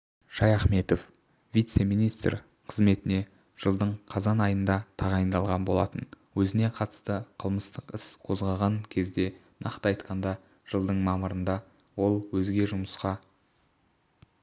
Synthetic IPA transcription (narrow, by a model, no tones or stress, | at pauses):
ʒ̥ɑjɑχme̞t̪o̞f | vʲijt̪se̞mijnijst̪r | qʰəzme̞t̪ɪne̞ | ʒ̥əlˠd̪əɴqʰɑzɑnɑjənd̪ɑt̪ʰɑʁɑjənd̪ɑlˠʁɑnbo̞lˠɑt̪ən | wɵzɪne̞qʰɑt̪ə̥st̪əqʰəlˠməst̪əqɪsqʰo̞zʁɑʁɑŋkʲʰe̞zd̪e̞ | nʔɑ̰qt̪əɑjt̪qɑnd̪ɑ | ʒ̥əlˠd̪əɴmɑməɾənd̪ɑ | wo̞lˠwɵzɡʲe̞ʒʊməsqɑ